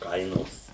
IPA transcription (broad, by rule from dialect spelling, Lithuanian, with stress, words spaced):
ˈkɐɪnoːs